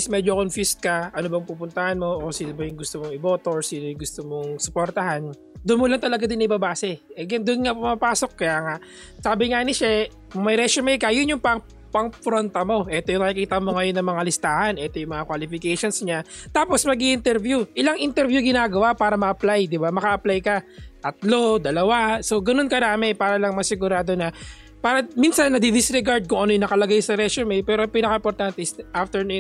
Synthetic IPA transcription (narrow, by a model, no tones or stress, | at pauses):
smɛːd͡ʒokonfist̪̚kɐʔɐnobɐŋpuːpʊnt̪ɐhanmo̞ʔosinɐbɐjʊŋɡʊst̪omoŋɪboːt̪oɹsinojʊŋɡʊst̪omoŋsʊ̥poɾt̪ɐɦan | d̪ʊnmʊlant̪ɐlɐɡad̪ɪnɐʔɪbɐbaːsɛʔɛɡɛnd̪ʊnŋapʊmapaːso̞k̚ːɐjaːŋaʔ | saːbɪŋaːnɪʃɛ | mɐjɾɛʃomɛjkɐjʊnjʊŋpɐŋ | pɐŋfɾont̪ɐmo̞ʔɛt̪ojʊŋɐkikiːt̪ɐmo̞ŋɐjo̞nːɐŋmɐŋalɪst̪aːhɐnʔɛːt̪ojʊŋmɐŋakwalɪfɪkɛjʃonsɲat̪aːpo̞smɐɡiʔɪnt̪ɛɾvjuʔɪlaŋʔɪnt̪ɛɾvjuɡɪnaːɡɐwapaːɾɐmɐʔɐplajd̪ɪbamɐkɐʔɐplajkɐɐt̪lod̪ɐlɐwaso̞ɡɐno̞nkɐd̪aːmɪnpaːɾɐlɐŋmɐsɪɡʊɾaːd̪o̞nɐ | paːɾɐminsɐnːɐd̪id̪ɪsɾɛɡaɹd̪̚kʊŋʔɐno̞jʊŋnɐkɐlɐɡajsɐɾɛsʊmɛjpɛːɾopinɐkɐʔɪmpoɾt̪ant̪ɛsʔaft̪ɛɹnu